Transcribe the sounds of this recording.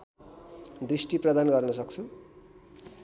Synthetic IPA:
d̪risʈiprʌd̪anɡʌrnʌsʌk̚t͡sʰu

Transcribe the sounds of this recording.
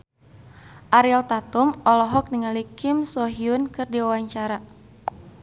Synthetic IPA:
ʔaɾialt̪at̪umɔlɔɦɔk̚niŋalikɪmsɔɦiunkɨrdiwawaɲt͡ʃaɾa

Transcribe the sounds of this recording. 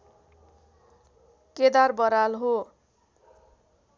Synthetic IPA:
ked̪arbʌɾalɦo

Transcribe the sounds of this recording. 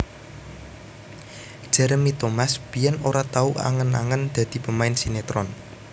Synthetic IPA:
d̥ʒ̥ɛ̤ɾəmit̪omasb̥i̤ɛnoɾat̪auʔa̰ŋəna̰ŋənd̪̥ä̤d̪̥i̤pəmaɪnsinet̪ɾɔn

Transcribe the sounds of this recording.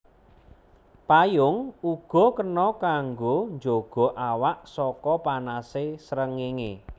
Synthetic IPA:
pajʊŋuɡ̥ɔ̤kənɔkaŋɡond͡ʒoɡ̥ɔ̤ʔawaʔsɔkɔpanasesɾəŋeŋḛ

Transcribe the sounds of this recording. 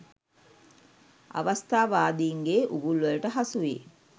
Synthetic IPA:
a̰ʋast̪aːʋaːd̪iːŋɡeːʔuɡulʋəlʈəɦasuʋḛː

